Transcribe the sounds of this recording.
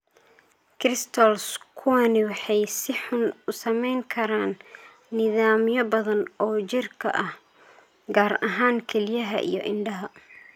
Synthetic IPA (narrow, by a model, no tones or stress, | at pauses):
kʰrɪst̪ʰɔlskʰuɐnɪwɑħɑjsɪħʊnʊsɐmɛjŋkʰɐɾaːnː | ɪðaːmjɔbɐðɐnɔːt͡ʃɪrkʰɐ̰ʔɐh | ɡaːrɐɦaːŋkʰɛlɪjɐɦɐ̰ʔḭjɞʔɪɳɖɐɦɐ